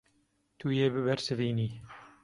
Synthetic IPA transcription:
t̪ʰuːjeːbɨbɛɾsɨviːniː

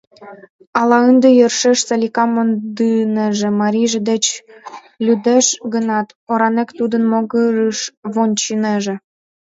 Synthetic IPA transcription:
ɑlɑənd̪ĕjərʃeʃsɑlʲikɑmond̪ɯnĕʒĕmɑɾʲiʒĕd̪et͡ɕ | lʲyd̪eʃɡənɑt̪ | oɾɑnekt̪ud̪ənmoɡəɾəʃβonʲt͡ɕineʒĕ

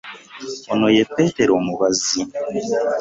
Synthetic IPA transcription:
onojepeteɾomuβazi

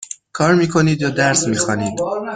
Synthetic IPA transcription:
kʰɒːɾmiːkʰo̞niːd̪jɒːd̪æɾsmiːxɒːniːd̪

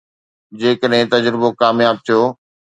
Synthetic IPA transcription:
d͡ʑeːkəɗɦɪ̃t̪ɐd͡ʑɾɪbokaːmjaːb̚t̪ʰijoː

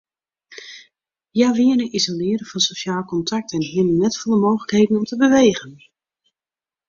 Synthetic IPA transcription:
jaʋiənəʔizolɪːəɾəfɑnsoʃaːlˠkɔntʰak̚tɛnɦiənənɛtfʊnˠdəmoːxləkɦeːdən̩ɔmtəbəʋeːɣən

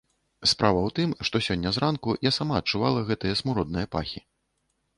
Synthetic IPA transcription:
spɾʔavɐwt̪ɨmʂt̪ɔsʲɔnʲːɐzɾankujasamaːt̚t͡ʂuvalˠɐɣɛt̪ɨjɐsmuɾɔd̪̚nɨjɐpa̰xʲi

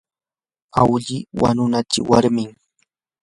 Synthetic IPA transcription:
awʎɪwa̰nʊnat͡ʃɪ̰waɾmɪŋ

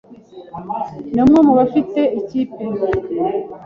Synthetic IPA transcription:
nomŋemuβafite̞iciːpe

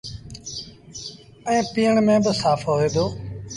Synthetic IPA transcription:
əẽːpiːəɳmẽːbəsaːfʰɦoːeːd̪oː

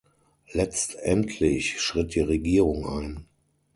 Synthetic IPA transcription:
lɛt͡stʔɛntʰlɪçʃʁ̥ɪt̚d̥iːʁeɡiːʁʊŋʔaɪn

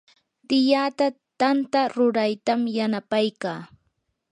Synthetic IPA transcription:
t̪ɪjat̪a | t̪ant̪aɾʊɾajt̪amjanapajkaː

